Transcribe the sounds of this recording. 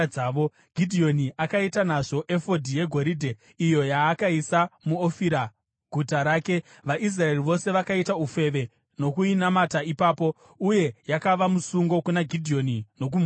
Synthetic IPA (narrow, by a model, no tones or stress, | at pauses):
aːʋo̞ | ɡ̥ʱidʱio̞niʔakaitanaʐo̞ʔe̞fo̞dʱije̞ɡʱo̞ɾidʱe | ijo̞jaːkaisamuofiɾa | ɡʱutaɾaːke̞ | ʋaʔis̬rae̞riʋo̞se̞ʋakaitaufe̞ʋe̞ | no̞kuinamataipaːpo̞ | uje̞jakaʋamusuŋɡo̞kunaɡʱidʱio̞nino̞k̬um